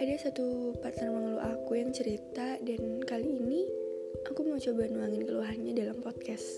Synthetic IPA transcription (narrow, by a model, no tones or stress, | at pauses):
ʔadasat̪upat̪ərmaŋluʔakujaŋt͡ʃəɾit̪adankaliːni | ʔakumaot͡ʃobanuwaŋɪnkəluaɦanɲadalampɔt̪̚kɛs